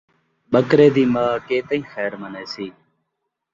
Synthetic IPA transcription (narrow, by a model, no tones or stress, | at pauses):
ɓəkɾeːd̪iːmaːkeːt̪əĩːxɛːɾməneːsiː